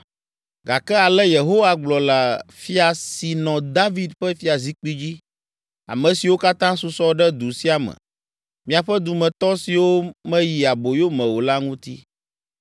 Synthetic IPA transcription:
ɡa˨kɛ˦a˨lɛ˦je˨ɦo˦wa˨ɡ͡blɔ˨la˨fi˦a˨si˨nɔ̃˨d̪a˦vi˦d̪ɸɛ˦fi˦a˨zi˦k͡pi˦d͡ʑi˦ | a̰˨mɛ̃˨si˨wo˦ka˦t̪ã˦su˨sɔ˦ɖɛ˦d̪u˨si˦a˨mɛ̰̃˨ | mĩ˦a˨ɸɛ˦d̪u˨mɛ̃˨t̪ɔ˦si˨wo˦mɛ̃˦ji˨a˨bo˨jo˦mɛ̃˨wo˨la˦ŋũ˦t̪ḭ˦

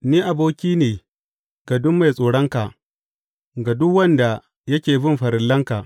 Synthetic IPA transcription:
niː˦ʔa˨boː˦kʲiː˦neː˨ | ɡ̥a˨dʊ˦mːa˨jsʼoː˨ɽɐ˦ŋka˨ | ɡa˨dʊ˦kwɐ˦nda˨ | jɐ˦kʲeː˨bɪ˦mɸɐ˨ɾɪ˨lːɐ˦ŋka˨

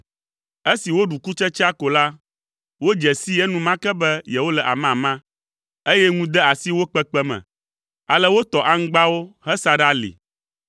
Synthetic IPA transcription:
e˦si˨wo˦ɖu˨ku˦t͡ʃɛ˦t͡ʃi˦a˦ko˨la˦ | wo˦d͡ʒɛ˨si˦ɛ˦nũ˦mã˦kɛ˦bɛ˦jɛ˨wo˦lɛ˨ʔa̰˨m˦ã˨mã˦ | e˦jɛ˦ŋũ˦d̪ɛ˦a˨si˦wo˦k͡pɛ˦k͡pɛ˦mɛ̰̃˨ | a̰˨lɛ˦wo˦t̪ɔ˨ʔa˦ŋ̩˦ɡ͡ba˦wo˦hɛ˦sa˦ɖa˦lḭ˨

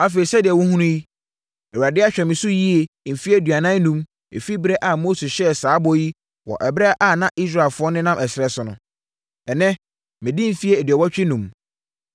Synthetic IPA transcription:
a˦fe˨i˨sɛ˦dɪ˨ɛ˨wʊ˦ɦũ˦nʊ̃˦ji˦ | ɛ˨wa˨dɪ˦a˦ɕᶣɛ˨mɪ̃˨sʊ˦ji˦e˨m̩˨fi˦ɛ˦˨dɥa˨nã˦nũ˦m | ḛ˨fi˦bɾɛ˦ʔa˨moː˦se˨ɕɛ˦saː˨˦bɔ˦ji˦ | wɔ̰˨ʔɛ˨bɾɛ˦a˦ʔa˨nã˦ʔi˦sɾa˦ɪ˨lfʊ˦ɔ˦nɪ̃˦nã˦mʔɛ˨sɪ˨ɾɛ˦sʊ˨nʊ̰̃˨ | ɛ˨nɛ̃˦ | mɪ̃˨di˦m̩˨fi˦e˦˨dɥɛ˨wɔ˦t͡ɕᶣɪ˦nũ˨m

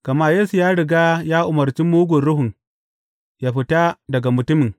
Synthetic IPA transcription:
kɐ˨maː˦jeː˦su˨jaː˦ɽɪ˨ɡaː˦jaː˦ʔʊ˨mɐ˨rt͡ʃi˦muː˦ɡʷʊ˨nɽʊ˦ɦʊ˨ŋ | jaː˦ɸɪ˦ta˦dɐ˨ɡa˨mʊ˨tʊ˦mɪ˨ŋ

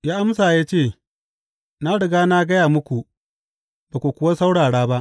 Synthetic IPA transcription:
jaː˦ʔa˦ms̬aː˨jaː˦t͡ʃeː˦˨ | na˦ɽɪ˨ɡaː˦na˦ɡɐ˦jaː˨mʊ˦kʷu˨ʔ | baː˨ku˨kʷʊ˦wa˦sa˦wɽaː˨ɽaː˦ba˦ʔ

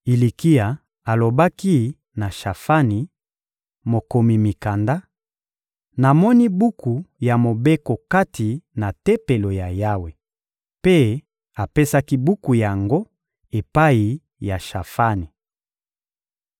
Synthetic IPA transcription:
i˨li˨ki˦a˨ | a˨lo˨ba˦ki˦ | na˨ʃa˨fa˦ni˨ | mo˨ko˨mi˨mi˨ka˨nda˦ | na˨mɔ˦ni˦bu˦ku˨ja˨mo˨be˦ko˨ka˦tʰi˨na˨te˦pe˨lo˨ja˨ja˦we˨ | pe˦ | a˨pe˦sa˦ki˦bu˦ku˨ja˨ŋɡo˦ | e˨pa˦i˨ | ja˨ʃa˨fa˦ni˨

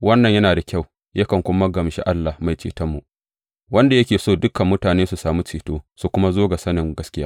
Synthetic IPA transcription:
wɐ˦nːɐ˨ɲjɐ˦naː˨da˨kʲa˦˨w | jɐ˦kɐ˨ŋkʷʊ˦mɐ˦ɡɐ˨mʃḭ˦ʔa˦lːa˨hma˨jt͡ʃḭː˨tɐ˦mːu˨ʔ | wɐ˦nda˨jɐ˦kʲeː˨soː˦˨dʊ˦kɐ˨mːʊ˦taː˨neː˦su˨saː˨mu˦t͡ʃiː˨toː˦su˨kʷʊ˦ma˦zoː˦ɡa˨sɐ˦nɪ˨ŋɡɐ˦skʲɪ˦jaː˦

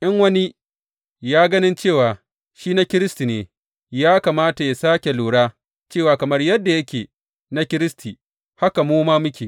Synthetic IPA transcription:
ʔɪ˦ŋwɐ˦ni˦ | jaː˦ɡɐ˦nɪ˦nt͡ʃeː˦˨waː˨ | ʃiː˦na˦kʲɪ˦ɾɪ˦sti˨neː˨ | jaː˦kaː˨maː˦ta˨ja˨saː˦kʲe˨luː˨ɽaː˦ | t͡ʃeː˦˨waː˨kɐ˨mɐ˦rjɐ˦dːa˨jɐ˦kʲeː˨ | na˦kʲɪ˦ɾɪ˦stʰi˨ | ha˦ka˨moː˦maː˦mʊ˦kʲeː˨

